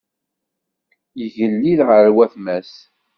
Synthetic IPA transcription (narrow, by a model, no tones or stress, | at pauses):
jəʝəlːiðʁəɾwæθmæs